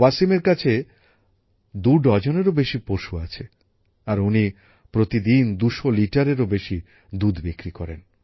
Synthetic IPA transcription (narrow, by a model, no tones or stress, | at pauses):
wasimeɾkat͡ɕʰe | d̪uɖɔd͡ʑoneɾobeʃipoʃuat͡ɕʰe | aɾuni | pɾot̪id̪ind̪uʃoliʈaɾeɾobeʃi | d̪ud̪bikɾikɔɾen